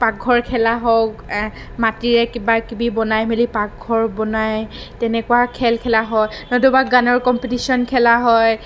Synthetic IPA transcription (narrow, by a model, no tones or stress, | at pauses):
pak̚ɡʱɔɹkʰɛlaɦɔk | matiɹɛkibakibibɔnajmelipak̚ɡʱɔɹbɔnaj | tɛnɛkuwakʰɛlkʰɛlaɦɔnɔdubaɡanɔɹkɔmpitisiɔnkʰɛlaɦɔj